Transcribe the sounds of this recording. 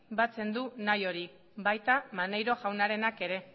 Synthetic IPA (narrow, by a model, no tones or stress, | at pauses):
bat͡se̞nd̪unajo̞ɾi | bajt̪amanejɾo̞ʝawnaɾe̞nake̞ɾe̞